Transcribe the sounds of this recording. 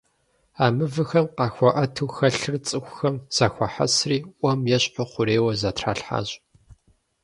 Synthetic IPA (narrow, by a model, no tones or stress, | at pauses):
aːmɨvɨxɐmqɑːxʷɔʔɐtʰɨwxɐɬɨrt͡sʼɨxʷʊxɐmz̥axʷɐħa̰sriːʔʷɐmjɛɕʼħʷɔqʷʊɾeːwɐzatʰra̰ːɬħa̰ːɕʼ